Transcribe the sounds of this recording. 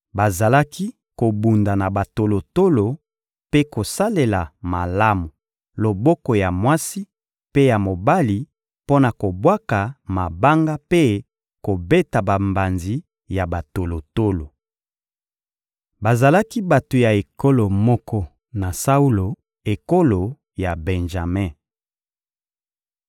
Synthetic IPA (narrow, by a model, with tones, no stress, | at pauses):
ba˨za˨la˦ki˦ | ko˨bu˨nda˨na˨ba˨to˨lo˨to˦lo˨ | pe˦ko˨sa˦le˨la˨ma˨la˦mu˨ | lo˨bɔ˦kɔ˨ja˨mwa˦si˦ | pe˦ja˨mo˨ba˦li˨ | po˦na˨ko˨bwa˦ka˨ma˨ba˦ŋɡa˦pe˦ | ko˨be˦ta˨ba˨mba˨nzi˨ | ja˨ba˨to˨lo˨to˦lo˨ | ba˨za˨la˦ki˦ba˨to˨ja˨e˨ko˦lo˨mɔ˦kɔ˦ | na˨sa˦u˦lo˨ | e˨ko˦lo˨ | ja˨bɛ̃˨nʒa˨mɛ̃˦˨